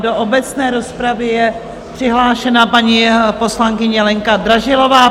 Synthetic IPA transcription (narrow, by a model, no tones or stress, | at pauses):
do̞ʔobɛt͡snɛːɾo̞spɾavɪjɛ | pr̝̥ɪɦlaːʃɛnapaɲipo̞slaŋkɪɲɛlɛŋkad̪ɾaʒɪlo̞vaː